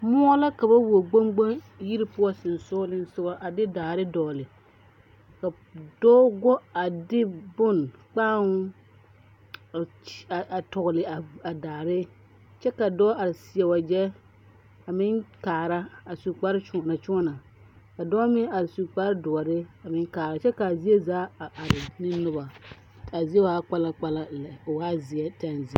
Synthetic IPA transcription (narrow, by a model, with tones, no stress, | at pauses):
mʊ˦ɔ˦la˦ka˨ba˦wo˨ɡ͡bo˦ŋɡ͡ba˦ŋ | ji˦ɾɪ˦pʊ˦ɔ˦sɪ˨n˨sʊː˦lɪ˦n˦sʊ˦ɡɔ˦ʔa˨dɪ˦daː˨ɾɪ˦dɔː˨lɪ˨ | ka˨ | dɔː˦ɡɔ˦a˨dɪ˦bʊ˦˨nk͡paː˦ŋ˦˨ | a˨tɔ˨ɣlɪ˨a˨a˨daː˨ɾɪ˦ | t͡ʃɛ˦ka˨dɔː˦a˨ɾɪ˨sɪ˨ɛ˨wa˨d͡ʒɛ˦ | a˨mɪ˦nkaː˨ɾa˦a˨su˨k͡pa˦ɾɪ˦t͡ʃʊ˨ɔ˨na˨t͡ʃʊ˦ɔ˦na˨ | ka˨dɔ˦mɪ˦ŋa˨ɾɪ˨su˨k͡pa˦ɾdʊ˨ɔ˨ɾɪ˦a˨mɪ˦ŋkaː˨ɾa˨t͡ʃɛ˦ka˨zi˦e˦zaː˦a˨ʔa˨ɾɪ˨nɪ˦nʊ˦ba˨ | a˨zi˦ɛ˦wa˦k͡pa˦la˦k͡pa˦la˦˨la˨waː˦zɪ˨ɛ˦ta˦nzi˨˦